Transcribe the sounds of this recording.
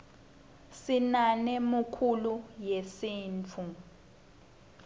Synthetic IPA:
sinanɛmukʰulujesiːnt͡fʰu

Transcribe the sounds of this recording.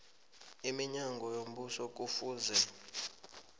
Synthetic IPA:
imiɲaŋɡʱɔjom̩ɓusɔk̬ufuːnd͡zʱɛ

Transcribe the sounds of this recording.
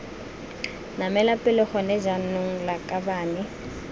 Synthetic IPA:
namɛlapʼɪlɪχɔnɛd͡ʒanʊŋ̩lakʼabaːnɪ

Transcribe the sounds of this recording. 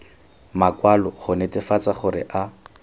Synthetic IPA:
makwalɔχʊnetɪfat͡saχʊɾɪ̰ʔa

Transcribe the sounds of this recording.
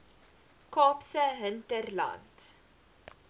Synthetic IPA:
kɑːpsəɦəntərlɐ̰nt

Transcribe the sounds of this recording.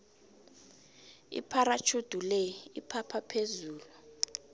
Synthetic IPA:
ḭpʰaɾat͡ʃʰud̥ʱulɛipʰapʰapʰezuːlu

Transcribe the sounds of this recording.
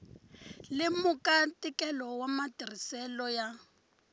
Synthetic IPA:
lɪmʊkʼatʼikʼɛlɔwamatir̤isɛlɔja

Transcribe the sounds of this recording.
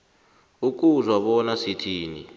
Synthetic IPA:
uk̬uzwaɓɔnasitʰiːnḭ

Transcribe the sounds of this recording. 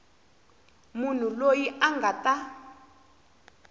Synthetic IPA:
mun̤ulojiʔaŋɡata

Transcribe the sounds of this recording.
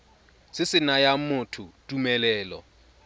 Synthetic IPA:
sɪsɪnajamʊtʰutʼumɛlɛːlɔ̰

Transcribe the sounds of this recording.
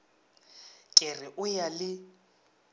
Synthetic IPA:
kʼɪrɪʔʊjalɪ

